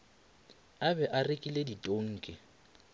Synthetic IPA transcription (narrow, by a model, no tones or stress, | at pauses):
abɛʔarɪkʼileditʼoŋ̩ːkʼɪ